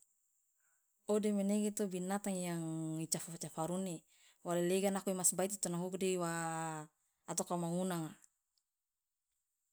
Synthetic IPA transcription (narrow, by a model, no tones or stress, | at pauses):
odemeneɡit̪ubinat̪aŋjaŋit͡ʃafat͡ʃafaɾune | waleleɡanakuimasbait̪it̪ɔnaɦukdiwa | t̪ɔkamaŋunaŋa